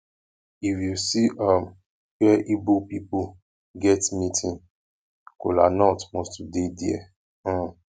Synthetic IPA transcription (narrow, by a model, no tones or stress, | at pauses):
ifjusiʔam | wɛʔibopipu | ɡɛtmĩtʰĩn | kolanɔtmɔ̃studediɛ̰̃